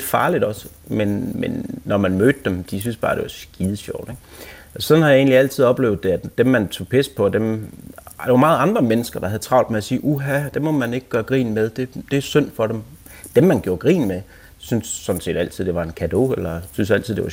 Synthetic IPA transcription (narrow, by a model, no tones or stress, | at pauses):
d̥fɑ̈ːlid̥ɒ̽s | menmenːɒmænmøːd̥əd̥emd̥is̬ynsb̥ɑ̈ːd̥e̝ʋɑ̈sɡ̥iːðˠɕɒʊ̰d̥eɡ̥ | sɒ̽nhɑ̈jɑ̈e̝ːnliæl̰t͡sʰiðˠɒ̽b̥le̝ːʊð̩ˠd̥e̝æ̥d̥emːænt͡sʰo̝̰ːpʰespʰɒ̽d̥em | d̥ɑʋɑ̈mɑ̈ːð̩ˠɑ̈nd̥ʁɐmenəsɡ̥ɐd̥ɑ̈hæðˠt͡sʰʁɑ̈ʊ̰d̥meæsiːʔuɦæd̥emɒ̽mæne̝ɡ̥əɡ̥ɶːɐɡ̥ʁḭːnmeðˠd̥e̝d̥e̝æsøn̰fɒ̽ɾem | d̥emːænɡ̥jo̝ɐɡ̥ʁḭːnme | synsːɒ̽nse̝̰ːd̥æl̰t͡sʰið̰̥ˠe̝ʋɑ̈e̝nkʰæd̥o̝̰elɐsynsæl̰t͡sʰið̰ˠd̥ḛɑ